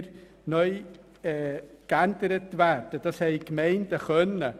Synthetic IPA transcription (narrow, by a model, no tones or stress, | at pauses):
ɾ | nœʏ | ɛːkænd̥əɾətvæːɾd̥əd̥ɑshɛɪkmɛɪnd̥əχœnə